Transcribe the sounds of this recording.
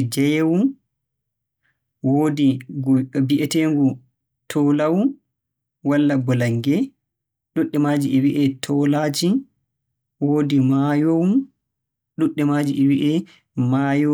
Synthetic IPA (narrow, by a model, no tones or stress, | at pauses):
d͡ʒɛjwun | woːdi | biʔɛteŋɡu | tʰɔlawu | walːaɡɔlaŋɡɛ | ɗuɗːɛmad͡ʒiʔɛwiʔɛtʰɔlad͡ʒi | woːdimajowun | ɗuɗːɛmaːd͡ʒiʔɛwiʔɛ | majo